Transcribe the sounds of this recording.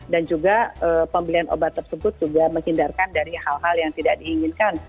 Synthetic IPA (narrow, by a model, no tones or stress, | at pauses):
dand͡ʒuɡaəːpəmbəilianʔo̰bat̪ːərsəbʊt̪̚d͡ʒuɡaməŋhindarkandaɾihalɦaljaŋt̪idaʔ̚diːŋɪnkan